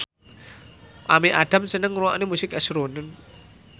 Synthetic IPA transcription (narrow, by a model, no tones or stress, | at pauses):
ʔameʔaɖ̥a̤msənəŋruaʔnimusɪkɛsɾonən